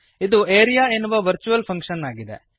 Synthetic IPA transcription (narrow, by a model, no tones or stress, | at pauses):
id̪ueːɾijaːenuʋɐʋɐɾt͡ʃuʋɐlpʰɐŋkʂɐnaːɡid̪ḛ